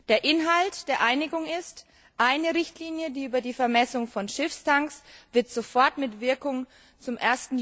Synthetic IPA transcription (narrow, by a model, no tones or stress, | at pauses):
d̥eːɐʔɪnɦaltd̥eːɐʔaɪnɪɡʊŋɪst | ʔaɪnəʁɪçtliːnjədiːʔyːbɐdiːfɛɐmɛsʊŋfɔnʃɪfstʰaŋksv̥ɪɐtz̥ofɔɐtmɪtv̥ɪɐkʊŋ | t͡sʊmʔeːɐstn̩